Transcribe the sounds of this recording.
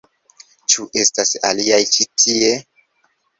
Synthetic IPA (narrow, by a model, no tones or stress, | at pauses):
t͡ʃuʔe̞stasa̰liajt͡ʃitʰie̞